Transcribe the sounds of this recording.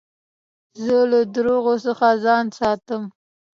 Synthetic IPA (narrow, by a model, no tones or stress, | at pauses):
zəlad̪ɾoɣosəxazɑnsɑt̪əm